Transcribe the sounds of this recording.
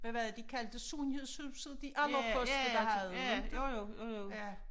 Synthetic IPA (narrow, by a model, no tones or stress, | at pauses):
ʋæʋæd̥ikʰæld̥əsuːnhe̝ðˠshyðˠbsðˠd̥iʔɑ̈nd̥ʁɐpʰɔ̽d̥ədɑ̈ɦæð̩ˠed̥ejooo